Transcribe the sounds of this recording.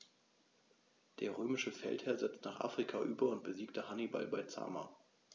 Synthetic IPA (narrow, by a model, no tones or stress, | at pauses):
d̥eːɐʁøːmɪʃəfɛ̰lthɛːɐzɛt͡stnaːχʔa̰ːfʁ̥ikʰaʔyːbɐʊnt̚b̥əziːk̚təhaniba̰lbaɪt͡sa̰ːmaː